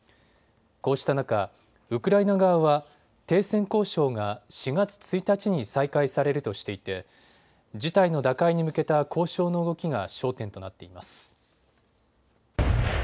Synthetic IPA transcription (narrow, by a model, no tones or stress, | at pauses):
ko̞ːɕi̥t̪anaka | ɯ̟kɯ̟ɾainaɡaβaβa | t̪e̞ːsẽ̞ŋko̞ːɕo̞ːŋaɕiɡat͡sɨ̥t͡sɨit̪at͡ɕiɲ̟isaikaisaɾe̞ɾɯ̟t̪o̞ɕi̥t̪e̞it̪e̞ | d͡ʑit̪aino̞d̪akaiɲ̟imɯ̟ke̞t̪akʰo̞ːɕo̞ːno̞ɯ̟ɡo̞kʲiɡaɕo̞ːt̪ẽ̞nt̪o̞nat̪ːe̞imasɨ̥